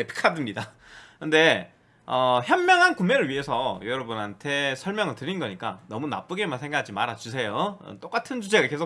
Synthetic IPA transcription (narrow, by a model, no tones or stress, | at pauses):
epʰi̥kʰadɯmɲida | kɯnde̞ | ʌçjʌmmjʌŋɦankumːeɾɯɭɥiɦe̞sʰʌjʌɾʌbunɦantʰe̞sʰʌɭmjʌŋɯɭtɯɾinɡʌɲik͈a̰nʌmuna̰p͈ɯɡemansʰe̞ŋɡakʰad͡ʑimaɾɦat͡ɕusʰe̞joʌ̰t͈ok͈atʰɯnt͡ɕud͡ʑe̞ɡake̞sʰo